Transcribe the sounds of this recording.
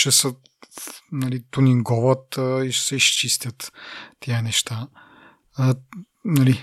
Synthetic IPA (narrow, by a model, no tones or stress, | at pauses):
ʃɛsə | nɐlit̪uniŋɡɔvət̪iʃɛ̥sɛist͡ʃist̪ʲjət̪ːiənɛʃt̪a | nɐli